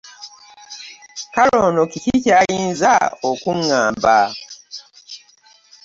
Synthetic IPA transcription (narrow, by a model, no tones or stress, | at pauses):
kalo̞ːnokicicaːjiːnza̰okuŋːaːmba